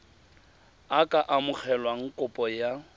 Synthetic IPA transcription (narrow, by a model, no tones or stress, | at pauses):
akʼaʔamʊk͡xʰɛlwaŋ̩kʼʊpʼɔja